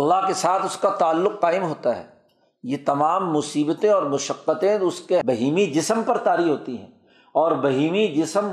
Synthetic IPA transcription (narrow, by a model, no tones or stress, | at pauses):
ɐlːaɦkesaːt̪ʰʊskat̪aːlːʊqːaːɪmɦoːt̪aɦɛ̰ː | jet̪ɐmaːmːʊsiːbət̪ẽɔːɾmʊʃəqːət̪ẽʊskebɐɦiːmid͡ʒɪsəmpɐɾt̪aːɾiɦoːt̪iɦɛ̰̃ː | ɔːɾbɐɦiːmid͡ʒɪsəm